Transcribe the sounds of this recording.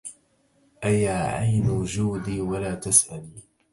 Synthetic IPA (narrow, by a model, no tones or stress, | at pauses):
ʔajaːʕajnd͡ʒuːd̪iːwalaːt̪asʔaliː